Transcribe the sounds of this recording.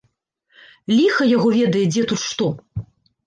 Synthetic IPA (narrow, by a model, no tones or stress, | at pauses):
lʲixɐjaɣɔvʲɛd̪ɐjɛd͡zʲɛt̪ut̪ʂt̪ɔ